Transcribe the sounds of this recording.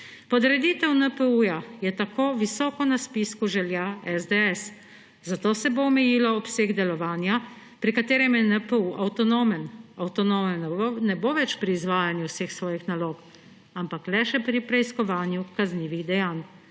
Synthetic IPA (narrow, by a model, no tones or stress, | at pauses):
pɔd̪ɾɛd̪it̪ɛwnəpəujajɛt̪akoːʋisɔːkɔnaspiskuʒɛljaɛzd̪eɛs | zat̪oːsɛboɔmɛjiːlɔɔpseːɡd̪ɛlɔʋaːnja | pɾikat̪eːɾɛmjɛnəpuʔawt̪ɔnomɛnawt̪ɔnomɛnnɛboːʋɛt͡ʃpɾiːzʋaːjanjuwsexsʋɔːjixnaloːk | ampaklɛʃɛpɾipɾɛiskɔʋaːnjukazniːʋiɣd̪ɛjaːn